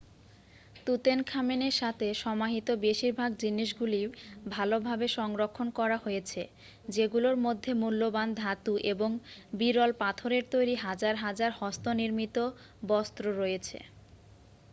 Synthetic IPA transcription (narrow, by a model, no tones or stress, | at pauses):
t̪ut̪enkʰameneɾʃat̪ʰeʃɔmaɦit̪obeʃiɾbʱaɡd͡ʑiniʃɡulibʱalobʱabeʃɔŋɾokʰːonkɔɾaɦojet͡ɕʰe | d͡ʑeɡuloɾmod̪ʱːemulːoband̪ʱat̪uʔeboŋbiɾɔlpat̪ʰoɾeɾt̪ojɾiɦad͡ʑaɾɦad͡ʑaɾhɔst̪oniɾmit̪o | bɔst̪ɾoɾojet͡ɕʰḛ